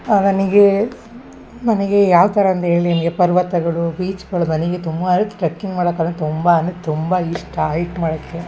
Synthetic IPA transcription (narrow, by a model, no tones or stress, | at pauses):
ɐnɐniɡe | nɐnɐɡejaːʋt̪ɐɾɐɐnt̪ɐeːɭilinɐnɐɡepɐɾʋɐt̪ːɐɡɐɭuʋiːt͡ʃkɐɭunɐniɡet̪umbɐɾt̪ːʈɾɐkːiŋɡmaːɽɐkːɐnːɐt̪umbɐɐnd̪ɐt̪umbɐiʂʈaːjikmaːɽɐkːe